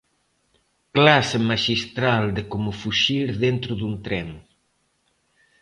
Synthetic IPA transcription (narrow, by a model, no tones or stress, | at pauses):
klasemaʃist̪ɾald̪ɪkomʊfuʃiɾðent̪ɾʊðunt̪ɾɛm